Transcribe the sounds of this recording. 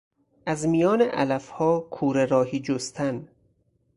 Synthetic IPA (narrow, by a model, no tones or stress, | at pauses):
ʔæzmijɒːneʔælæfhɒːkʰuːɾeɾɒːhiːd͡ʒost̪ʰæn